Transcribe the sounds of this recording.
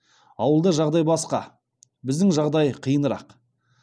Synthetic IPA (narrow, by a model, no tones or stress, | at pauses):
ɑwəlˠd̪əʒɑʁd̪ɑjbɑsqɑ̰ | bɪzd̪ɪŋʒɑʁd̪ɑjqʰəjənəɾɑ̰q